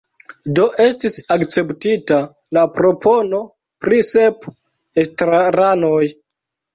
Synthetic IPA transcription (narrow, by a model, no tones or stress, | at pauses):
do̞ʔe̞stisakt͡se̞ptita | lapɾo̞pʰo̞no̞ | pɾise̞p | estɾaɾanoj